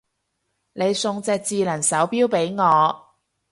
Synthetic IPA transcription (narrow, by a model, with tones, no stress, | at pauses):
ne˨˧jsʊ˨˧ŋt͡sɛː˨˧k̚t͡siː˨˧lɐ˨˩nsɐ˨˥wpiː˥wpe˨˥jŋɔː˨˧